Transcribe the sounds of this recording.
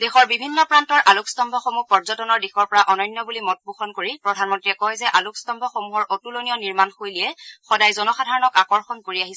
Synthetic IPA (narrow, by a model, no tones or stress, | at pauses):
dexɔɹbibʱinːɔpɹantɔɹʔalukstɔmbʱɔxomupɔɹzɔtɔnɔɹdixɔɹpɔɹaʔɔnɔjnːɔbulimɔt̚buxɔnkoɹipɹɔdʱanmɔntɹiɛkɔjzɛʔalukstɔmbʱɔxomuɦɔɹʔotulonijɔniɹmanxojliɛxɔdajzɔnɔxadʱaɹɔnɔkakɔɹxɔnkoɹiaɦis